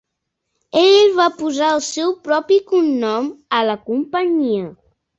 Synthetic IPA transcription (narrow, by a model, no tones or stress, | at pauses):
eʎlβapuzaəlˠsɛwpɾɔpikunːɔmələkumpəɲiə